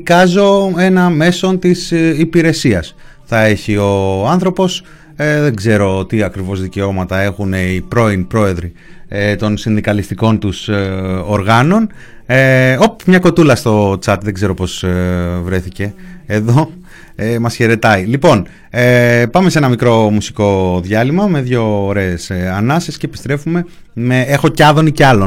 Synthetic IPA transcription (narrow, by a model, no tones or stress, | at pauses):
kɐzo̞e̞nɐme̞so̞nt̪isipiɾe̞siɐs | θɐe̞çio̞ɐnθɾo̞po̞s | ðe̞ɡze̞ɾo̞t̪iɐkɾivo̞zðice̞o̞mɐt̪ɐe̞xune̞ipɾo̞inpɾo̞e̞ðɾi | et̪o̞nsinðikɐlist̪iko̞nt̪usoɾɣɐno̞n | opmɲɐko̞t̪ulɐst̪o̞t͡sɐt̪ðe̞ɡze̞ɾo̞po̞svɾe̞θice̞ːðo | emɐsçe̞ɾe̞t̪ɐilipo̞n | epɐme̞se̞nɐmikɾo̞musiko̞ðʝɐlimɐme̞ðʝo̞ːɾe̞ːsɐnɐsescepi̥st̪ɾe̞fume̞ | meexo̞cɐðo̞niceɐlo̞